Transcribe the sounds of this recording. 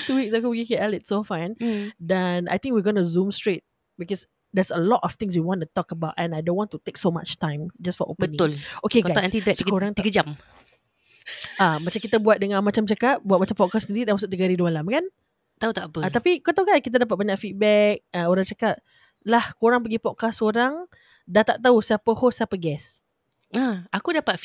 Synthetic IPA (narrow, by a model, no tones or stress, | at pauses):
t̪uwik̚sakopɡikɛʔalɪt̚sofãjndɛna̰jt̪ɪ̃ŋk̚wiɡɔnuzũmstɹet̚ | bikɔs | d̪ɛsəlɔtɔft̪ɪ̃ŋs̬wiwɔ̃ntut̪ɔkəbaʊtɛ̃najdõnwɔ̃ntut̪eksoma̰t͡ʃtãj̃md͡ʒastfɔʔo̰pbbənĩʊlokeɡɡajsɛ̃nt̪idɛkoɾãŋt̪iɡəd͡ʒam | amat͡ʃamkit̪abuat̪̚dəŋãnmat͡ʃamt͡ʃakat̪̚buat̪̚mat͡ʃampɔt̚kasəniɾidanmas̬ʊk̚t̪əɡaɾidumalamkan | t̪aut̪aʔpəat̪apikət̪auɡajskit̪̬adap̬at̪̚baɲaʔfit̪̚bɛk̚əoɾaŋt͡ʃakat̪̚ | lahkoɾaŋp̬əɡipɔd̚kasoɾaŋ | dat̪aʔt̪ausapəhosapəɡɛs | aakudapat̪̚